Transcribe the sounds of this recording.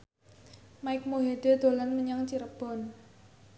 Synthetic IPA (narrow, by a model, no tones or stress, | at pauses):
maɪk̚moɦeɖ̪̥e̤d̪̥o̤lanməɲaŋt͡ʃiɾəb̥ɔ̤n